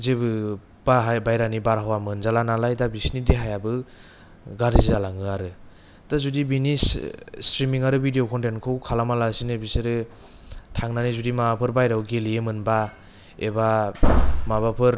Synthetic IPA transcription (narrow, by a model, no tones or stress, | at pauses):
zebɯ | b̥aɦabajɾanibaɾɦawamɯnzalanalajdabisnidiɦajabɯ | ɡaɾizzalaŋɯaɾɯ | dazudibinisstɾimiŋaɾɯbʱidiokʰɔntenkʰɯwkʰalamalasinɯbisɯɾɯ | tʰaŋnanizudimabapʰɯɾbajɾawɡeliemɯnba | eba | maβapʰɯɾ